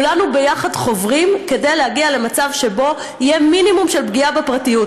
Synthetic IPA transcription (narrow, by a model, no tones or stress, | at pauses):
lanube̞jaχadχo̞vʁimke̞de̞jlehaɡiale̞mat͡savʃe̞bo̞ | ijeminimumʃe̞lbɡiabepʁatijut